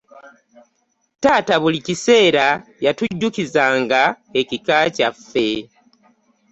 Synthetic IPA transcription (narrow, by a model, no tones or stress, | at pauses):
taːtaβulicise̞ːɾajatuɟːukizaːŋɡa | e̞cikaːcafːe̞